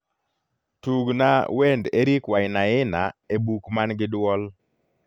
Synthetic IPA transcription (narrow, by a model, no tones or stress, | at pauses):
tuɡnawendeɾikwajɪnaɪnaebukmanɡɪdwɔl